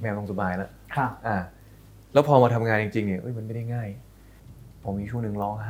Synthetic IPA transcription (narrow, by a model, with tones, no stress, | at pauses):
mɛː˧wlo˧ŋsu˨˩baː˧jla˦˥ʔkʰa˧˥˩ʔaː˧˩ | lɛː˦˥wpʰɔː˧maː˧t̪ʰa˧mŋaː˧nji˧ŋt͡ɕi˧ŋni˧˩ʔɤ˦˥˩jma˧nma˥˩da˥˩jŋaː˥˩j | pʰɔ˨˧˩miː˧t͡ɕʰu˥˩ŋnɯ˨˩ŋlɔː˦˥˩ŋɦaː˥˩